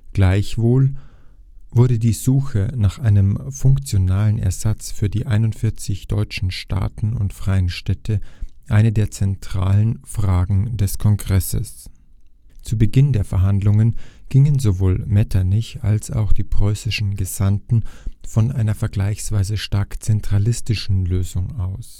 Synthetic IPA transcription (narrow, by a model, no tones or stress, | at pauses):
ɡ̥laɪçv̥oːl | v̥ʊɐɾədiːzuːxənaːχʔaɪnəmfʊŋkt͡sjonaːlənɛ̰ɐzat͡sfyːɐdiːʔaɪnʊntfɪɐt͡sɪçd̥ɔʏt͡ʃn̩ʃta̰ːtn̩ʊ̰ntfʁ̥aɪənʃtɛtʰəʔaɪnədeːɐt͡sɛntʁ̥a̰ːlənfʁ̥aːɡŋ̩dɛskʰɔŋɡʁɛsə̰s | t͡suːbəɡɪndeːɐfɛɐɦandlʊŋənɡ̥ɪŋənzovoːlmɛtʰanɪça̰lsa̰ʊxd̥iːpʁ̥ɔʏsɪʃn̩ɡəz̥antn̩fɔnʔaɪnɐfɛɐɡlaɪçsv̥aɪzəʃtaɐkt͡sɛntʁ̥alɪstɪʃn̩løːzʊŋaʊs